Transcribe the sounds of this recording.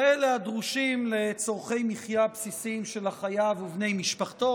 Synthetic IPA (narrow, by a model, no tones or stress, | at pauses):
eleadʁuʃimle̞t͡so̞ʁχe̞jmiχjapsisimʃe̞laχajavuvne̞jmiʃpaχt̪o̞